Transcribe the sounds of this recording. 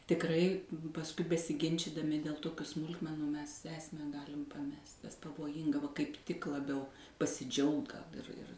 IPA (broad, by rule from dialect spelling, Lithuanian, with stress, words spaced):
tʲɪkˈrɐɪ pɐsˈkʊɪ bʲɛsʲɪˈɡʲɪnʲt͡ʃʲɪdɐmʲɪ dʲeːlˠ ˈtoːkʲʊ ˈsmʊlˠkmʲɛnʊ mʲɛs ˈæːsʲmʲæː ˈɡɑːlʲɪm pɐˈmʲɛst ɛs pɐʋoːˈjɪŋɡɐ ʋɐ kɐɪp ˈtʲɪk lˠɐˈbʲɛʊ pɐsʲɪˈd͡ʒʲɛʊkt ɡɐlˠ ɪr ɪr